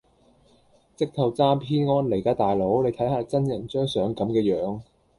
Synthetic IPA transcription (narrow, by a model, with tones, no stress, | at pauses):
t͡sɪ˥k̚t̪ʰɐ˨˩wt͡saː˥mpʰiː˥nŋɔː˥nle˨˩jkaː˨˥t̪aː˨jlo˨˥wne˨˧jt̪ʰɐ˨˥jhaː˨˧t͡sɐ˥njɐ˨˩nt͡ʃœː˥ŋsœː˨˥ŋkɐ˨˥mkɛː˧jœː˨˧˥ŋ